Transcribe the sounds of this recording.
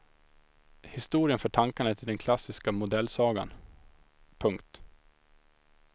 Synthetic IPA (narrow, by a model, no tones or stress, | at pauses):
hɪst̪uːɾɪənfœːʈʰaŋkanɳət̪ʰɪld̪ɛnkʰlasːɪskamʊd̪ɛlːsɑːɡa̰n | pʰɵŋkt̪